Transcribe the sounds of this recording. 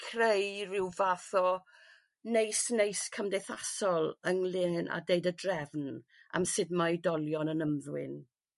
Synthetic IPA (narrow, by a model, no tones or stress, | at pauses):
kʰrejrɪwvaθɔ | nejsnejskʰəmdejθasɔlˠəŋlɪna̰dejdədrɛvna̰msɪdmajdɔlˠjɔnənəmðwɪn